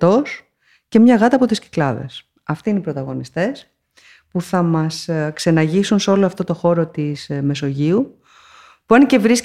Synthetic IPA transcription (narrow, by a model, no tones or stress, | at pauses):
t̪o̞s | ce̞mɲɐɣɐt̪ɐpo̞t̪isci̥klɐðe̞̰s | ɐft̪iinipɾo̞t̪ɐɣo̞nist̪e̞s | puθɐmɐskse̞nɐʝisunseo̞loɐft̪o̞t̪o̞xo̞ɾo̞t̪isme̞so̞ʝiu | puɐnecevɾis